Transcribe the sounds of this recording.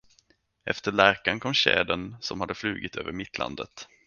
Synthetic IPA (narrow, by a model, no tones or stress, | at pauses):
ʔɛ̰ft̪əɭæɾkankʰɔmːɕɛ̰ːd̪ənsɔmhad̪ːəflʉ̟ːɡɪt̪ʰøːvəɾmɪt̪ːla̰nd̪ət̪